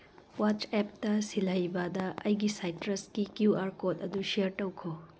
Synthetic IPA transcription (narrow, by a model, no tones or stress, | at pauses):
wat͡ʃep̚tɐsilɐjbɐdɐɐjɡisajtɾɐskikjuaɾkotɐduʃiɐɾʈɐwkʰo